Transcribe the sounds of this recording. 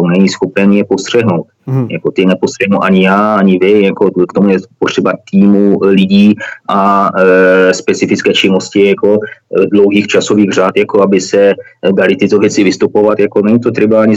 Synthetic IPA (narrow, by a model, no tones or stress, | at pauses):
onɛɲisxopnɛnjɛpo̞st̪r̝̥ɛɦnowt̪ja̰ko̞t̪ɪnɛpost̪r̥ɛɦnuwʔaɲɪjaːaɲɪvɪjako̞kt̪omujɛpot̪r̥ɛbat̪iːmulɪɟiːʔa | spɛt͡sɪfɪt͡skɛːt͡ʃɪno̞scɪjako̞dlowɦiːxt͡ʃaso̞viːɣr̝aːt̪jako̞abɪsɛ | dalɪt̪ɪt̪ovjɛt͡sɪvɪst̪upo̞vat̪jako̞nɛɲit̪̬ot̪ɾɪbaaɲɪ